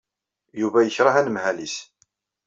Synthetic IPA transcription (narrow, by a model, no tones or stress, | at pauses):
juvæjəçɾˤɑɦænəmhælis